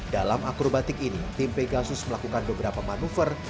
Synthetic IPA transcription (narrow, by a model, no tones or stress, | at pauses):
d̥alamakɾobat̪ɪkinit̪impeɡasʊsməlakukanbəbəɾapamanufər